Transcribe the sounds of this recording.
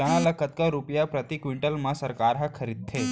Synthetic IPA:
əɽ̃alakət̪kəɾupjapɾət̪ikʋiɳʈəlməsəɾkaɾɦakʰəɾid̪̚t̪ʰe

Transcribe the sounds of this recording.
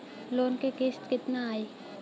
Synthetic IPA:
loːnkekeːsʈkɪt̪naaːeː

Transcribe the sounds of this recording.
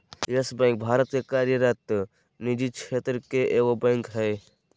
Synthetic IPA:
jəsbə̃ŋk̚bʱaːɾət̪kekaːɾjəɾat̪ə | nid͡ʒid̪̚t͡ʃʰeːt̪ɾəkeʔeːkobə̃ŋkɦɛː

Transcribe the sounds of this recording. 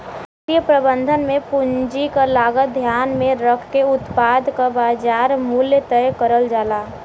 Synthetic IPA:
ɦət̪ijəpɾəbə̃nd̪ʱənmẽpuɲd͡ʒikalaːɡət̪̚d̪ʱjaːnmẽɾəkʰkeʊt̪paːd̪ʱkabaːd͡ʒaːɾmuljət̪əjkəɾəld͡ʒaːlaː

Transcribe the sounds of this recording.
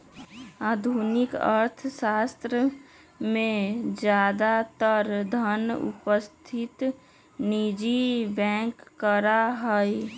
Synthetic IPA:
aːd̪ʱunɪkə̰ɾt̪ʰsaːst̪ɾə | mẽd͡ʒjaːd̪at̪əɾd̪ʱənʊ̰pəst̪ʰɪt̪ | nid͡ʒibɛ̃ːkːəɾaɦəj

